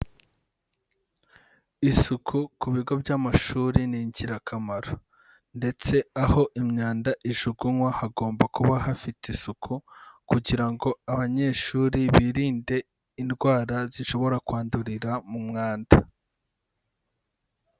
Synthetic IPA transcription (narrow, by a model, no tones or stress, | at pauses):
isukʰukuβiɡo̞bɟaːmaʃuːɾiniːɲɟiɾakʰamaɾo | nde̞t͡se̞aho̞ʔimɲaːndaʔiʒuɡunwahaɡo̞ːmbakuβahafitisukʰukuɟiɾaŋɡoaβaɲe̞ːʃuːɾiβiːɾiːnde̞ | inɡwaːɾaziʃo̞βo̞ɾakwaːnduɾiɾamumŋaːnda